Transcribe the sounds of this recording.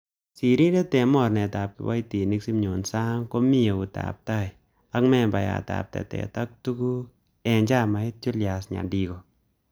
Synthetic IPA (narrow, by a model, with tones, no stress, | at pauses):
si˨ɾi˦dɛ˦tɛ˨mɔ˦˨ɾnɛ˨ta˨p̚kḭ˨wa̰˦jti˨ni˦ksi˦mɲo˨nsa˦ŋkɔ˦mi˦o˨ku˨ta̰p̚ta˦j | a˦kmɛ˦˨mba˨ja̰˨ta̰˨p̚tɛ̰˨tɛ̰˨ta˦k̚tu˦ku˦ | ɛ˨nd͡ʒa˦ma˨ɪ˦t̚t͡ʃʊ˦lja˨sɲa̰˨di˧ɡo˨